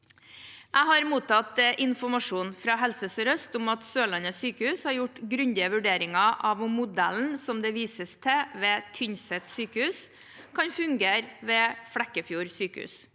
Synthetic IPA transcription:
ʔæɪɦɑɾmuːt̪ɑt̪ʔɪnfɔmɑʂuːnfɾɑːɦɛlsəsəɾœst̪ʊmɑt̪søːlɑnəsyːkəhʉːshɑɾjʊʈɡɾʉnd̪ɪəʋʉɖeːɾɪŋɑʔɑʋmʊd̪ɛ̰ln̩sɔmd̪ɛʋiːsəst̪ʰɛʋɛːt̪ʰʏɲsɛt̪syːkəhʉːs | kʰɑnfʉŋɡeːɾʋɛːfɽɛkːəfjuːɾsyːkəhʉ̰ːs

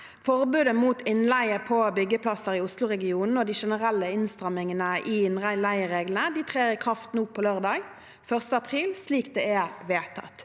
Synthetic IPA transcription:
fɔʁbʉːd̪əmuːt̪ʰɪnlæɪəpʰɔbʏɡːəpʰlɑsəʁɪʊslʊʁɛɡɪuːnn̩oːd̪iːʃɛnəʁælːəɪnst̪ʁɑmɪŋənəʔiɪnʁæɪlæɪəʁeːɡlən̩əd̪iːt̪ʰʁeːəʁɪkʰʁɑft̪n̩ʊpʰːɔløːʁd̪ɑːɡ | fœʁst̪əɑpʰʁiːlsliːkd̪ɛɛʁʋeːt̪ʰɑ̰t̪

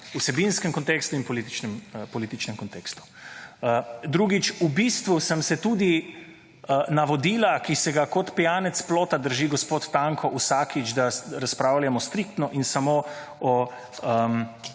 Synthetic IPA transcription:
usɛbinskɛmkɔnt̪eːkst̪uinpɔlit̪i̥t͡ʃnɛmpɔlit̪it͡ʃnɛmkɔnt̪ekst̪u̥əd̪ɾuɡit͡ʃubist̪ʋusəmsɛt̪uːd̪i | naʋɔd̪iːlakisɛɡakɔt̪pijaːnɛt̪sploːt̪ad̪əɾʒiɡɔspoːt̪ːaŋkʰɔʔusaːkit͡ʃd̪aɾaspɾaːwljamɔst̪ɾikt̪nɔʔinsamoː | ɔ | əm

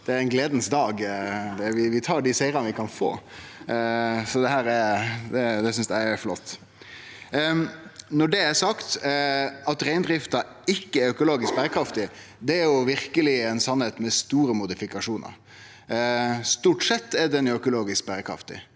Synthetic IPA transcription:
d̪̥ɛæɾɛɪnɡleːd̪n̩sd̪ɑːɡd̪ɛʋɪʋɪt̪ʰɑːɖisæɪɾɑnʋɪkʰɑnfo̰ː | sɔd̪ɛhæːɾɛɾd̪ɛd̪ɛsʏnsd̪æɪɛflɔt̪ː | nɔɖɛæɾsɑkt̪ | ɑt̪ɾæɪnd̪ɾɪft̪ɑ | ɪkːəæɾœkʊloːɡɪsk̚bæɾəkʰɾɑft̪ɪ | d̪ɛæɾjʊʋɪɾkəlɪɛɪnsɑnheːt̪mɛst̪uːɾəmʊd̪ɪfɪkɑʂuːnʔɑ̰ɾ | st̪uːʈsɛt̪ːɛd̪ɛnœkʊloːɡɪsk̚bæɾəkʰɾɑ̰ft̪ɪ̰

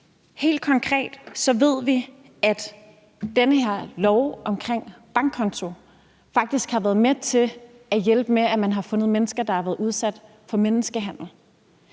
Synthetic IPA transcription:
he̝̰ːld̥̚kʰɒ̽ŋkʰʁɛ̰ːd̥sɒ̽ʋe̝ð̞̰ˠʋi | æd̥ | d̥enəhe̝ɐ̰lɒʊɒ̽mkʰʁeŋ̰b̥ɑ̈ŋɡkʰːɒ̽nt͡sʰo̝ | fɑ̈ɡ̥̚d̥isɡ̥hɑ̈ʋæːɐðˠmet͡sʰe̝ | æjelb̥əmeæmænɦɑ̈fɔ̽nəð̞̩ˠmenəsɡ̥ɐd̥ɑ̈hæʋæːð̩ˠuð̞ˠsæd̥ | fɒ̽menəsɡ̥əɦæn̰l̩

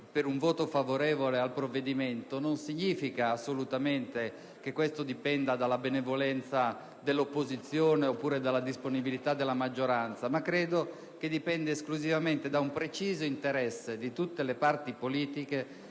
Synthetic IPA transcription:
peɾuɱvɔːt̪ofavoɾɛːvolealpɾovːed̪iment̪ononsiɲːiːfikaːsːolut̪ament̪e | kekːwest̪od̪ipɛnd̪ad̪alːabenevolɛnt̪sa | d̪elːopːozit̪sːjoːneopːuːɾed̪alːad̪isponibilit̪ad̪ːelːamad͡ʒːoɾant̪samakːɾeːd̪o | k̟ed̪ipɛnd̪eːskluzivament̪ed̪aumpɾet͡ʃiːzoint̪eɾɛsːed̪it̪ut̪ːelepart̪ipoliːt̪ike

